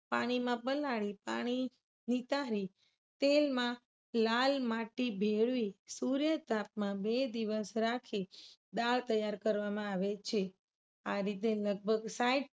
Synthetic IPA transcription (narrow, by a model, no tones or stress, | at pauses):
pa̰ɽ̃imãpəlaɭipa̰ɽ̃i | nit̪aɾi | t̪elmã | lalmaʈibʱeɭʋisuɾjət̪ap̚mãbed̪iʋəsɾakʰid̪aɭt̪əjaɾkəɾʋamãaʋet͡ʃʰe | aɾit̪eləɡ̚bʱəɡsaiʈ